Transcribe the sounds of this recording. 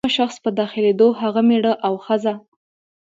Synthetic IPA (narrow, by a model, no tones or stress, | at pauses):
aʃaxspəd̪ɑxɪled̪oɦaɣameɽəʔawxəza